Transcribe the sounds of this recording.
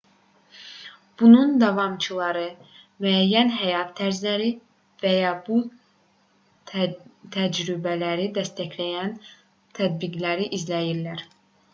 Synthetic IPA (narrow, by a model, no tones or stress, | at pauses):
b̥unund̪ɑvɑmt͡ʃʰɯlˠɑɾɯmyæjːænɦæjɑt̪ʰːæɾzlæɾi | væjɑbu | t̪ʰæd͡ʒɾybælæɾid̪æst̪æçlæjæn | t̪ʰæd̪̚biɡlæɾiʔizlæjiɾlæɾ